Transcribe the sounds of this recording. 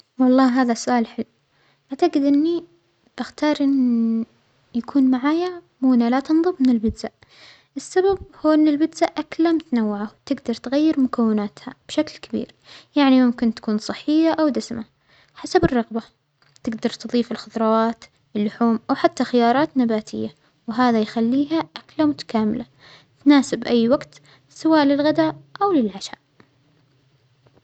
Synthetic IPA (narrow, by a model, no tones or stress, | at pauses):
wɑlˤːɑːɦaːðasʊʔaːlħɪlː | ʔaʕt̪aqɪd̪ʔɪnːi | b̥ɪxt̪ɑːɾˤʔɪnː | jakʰuːnmaʕaːjamuːnalat̪ɨnðˤɨmmɪnɪlbɪd̪zaʔ | ʔɪsːabab̚huːʔɪnːɪlbɪd̪zaʔʔaklamʊt̪anawːaʕawt̪ɪɡd̪ɑɾˤt̪ɣajːɪɾmʊkawːɪnaːt̪ha̰b̥ʃaklkabḭːɾjaʕnimʊmkɪnt̪ḁkuːnsˤɨħːɪjːaʔawd̪asma | ħasabɪrˤːɑɣba | t̪ɪɡd̪ɑɾˤt̪ɨðˤiːfɪlxʊðˤɾˤɑwɑːt̪ | ɪlːʊħuːmʔawħat̪ːaxɪjɑːɾˤɑːt̪nabaːt̪ʰɪjːa | wɦaːðajxalːiːɦaʔaklamʊt̪ḁkaːmɪla | t̪naːsɪbʔajːwaɡt̪ | sawaːʔlɪlɣad̪aːʔawlɪlʕaʃa̰ːʔ